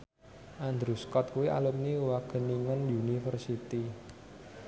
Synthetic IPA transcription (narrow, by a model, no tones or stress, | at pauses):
ʔand̪ɾuskɔt̪̚kuwiʔa̰lup̚niwaɡ̥ə̤niŋənjunifərsit̪i